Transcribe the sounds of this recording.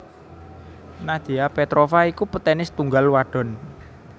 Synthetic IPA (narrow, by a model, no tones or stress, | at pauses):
nad̪̥iapet̪ɾofaikupət̪ɛnɪst̪uŋɡalwaɖ̥ɔ̤n